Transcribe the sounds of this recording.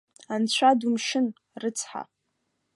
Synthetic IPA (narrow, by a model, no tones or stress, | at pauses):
ant͡ɕʷʰadumʃɪn | rɨt͡sʰħa̰